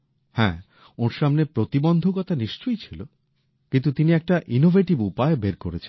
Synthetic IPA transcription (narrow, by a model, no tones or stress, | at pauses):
hɛ̰̃ | oɾʃamnepɾot̪ibond̪ʱokɔt̪aniʃt͡ɕojt͡ɕʰilo | kint̪ut̪iniɛk̚ʈaʔinovʱeʈibupaebeɾkoɾet͡ɕʰen